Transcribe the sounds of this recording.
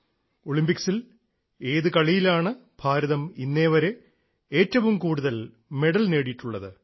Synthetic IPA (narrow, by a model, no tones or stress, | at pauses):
o̞ɭimbiksil | e̞ːðɨkɐɭijilaːɳɨbʱaːɾɐðɐminːe̞ːʋɐɾe̞ | eːtːɐʋumkuːɽuðɐl | me̞ɽɐlne̞ːɽijiʈːuɭːɐðɨ